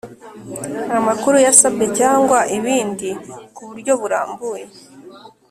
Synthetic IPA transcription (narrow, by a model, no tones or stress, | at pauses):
amakuɾujasabɡe̞caːŋɡwaʔiβiːndikuβuɾɟo̞βuɾa̰ːmbuje̞